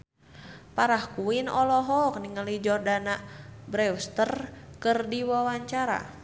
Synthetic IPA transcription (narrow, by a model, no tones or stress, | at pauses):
paɾahkuinɔlɔɦɔk̚niŋəlid͡ʒɔrdanabɾɛwst̪ərkɨrdiwawaɲt͡ʃaɾa̰